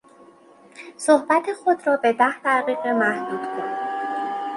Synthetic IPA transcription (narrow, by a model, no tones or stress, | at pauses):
sohbæt̪ʰexo̞d̪ɾɒːbe̞d̪æhd̪æʁiːɣemæhd̪̥uːd̪̥kʰonid̪